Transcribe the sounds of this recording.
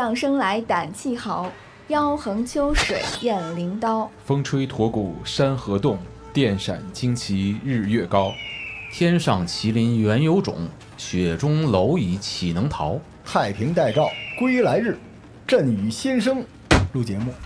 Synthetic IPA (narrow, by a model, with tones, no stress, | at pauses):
jɑ˥˩ŋʂɤ˥ŋla˧˥ɪt̪a˨˩nt͡ɕʰi˥˩xɑ˧˥ʊ | jɑ˥ʊxɤ˧˥ŋt͡ɕʰjo˥ʊʂwe˨˩˦ɪjɛ˥˩nli˧˥ŋt̪ɑ˥ʊfɤ˥ŋʈ͡ʂʰwe˥ɪt̪ʰwɔ˧˥ku˨˩ʂa˥nxɤ˧˥t̪ʊ˥˩ŋ | t̪jɛ˥˩nʂa̰˨˩nt͡ɕi˥ŋt͡ɕʰi˧˥ɻɻ̩˥˧ɥɛ˥˩kɑ˥ʊt̪ʰjɛ˥nʂɑ˥˩ŋt͡ɕʰi˧˥li˧˥nɥɛ˧˥njo˧˥ʊʈ͡ʂʊ̰˨˩˦ŋ | ɕɥɛ˨˩ʈ͡ʂʊ˥ŋlo˧˥ʊi˨˩˥t͡ɕʰi˨˩nɤ˧˥ŋt̪ʰɑ˧˥ʊ | t̪ʰa˥˩ɪpʰi˧˥ŋt̪a˥˧ɪt͡sɑ˥˩ʊkwe˥ɪ˥la˧˥ɪɻɻ̩˥˩ | ʈ͡ʂə˥˩ny˧˥ɕi˥nʂ̬ɤ˥ŋ | lu˥˩t͡ɕjɛ˧˥mu˥˩